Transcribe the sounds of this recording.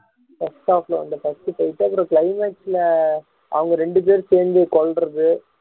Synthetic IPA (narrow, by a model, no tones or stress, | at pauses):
fɐsʈaːflɐ̰̃ɐ̰nd̪ɐfɐsʈɯpɐɪʈːɯɐpɪɾõːkɭɐɪmeːʈsɪlɐ | ɐ̰ʋɐŋɡɐɾɛɳɖɯp̬eːɾɯseːɾnd̪ɯkɔɭɾɐðɯ